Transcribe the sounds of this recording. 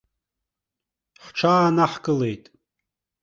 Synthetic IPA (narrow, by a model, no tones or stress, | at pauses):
ħʷʈ͡ʂʰaːnaħɡʼɨlejtʼ